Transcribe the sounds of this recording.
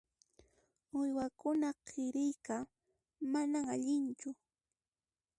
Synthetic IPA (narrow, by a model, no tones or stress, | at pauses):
ʊjwakʊnaqʰɪɾɪjka | manaŋaʎɪnt͡ʃʊ